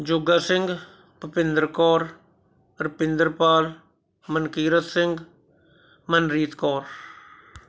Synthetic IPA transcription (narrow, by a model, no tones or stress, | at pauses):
d͡ʒoɡaːsɪ̃ŋɡ | pəpɪnd̪əɾkɔːɾ | ɾɪpɪnd̪əɾpaːl | mənkiːɾət̪sɪŋɡ | mənɾiːt̪kɔːɾ